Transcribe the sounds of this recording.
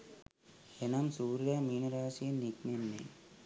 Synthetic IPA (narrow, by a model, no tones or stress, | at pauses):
enamsuːɾɾaːmiːnɐɾaːsijɐnikmenːḛ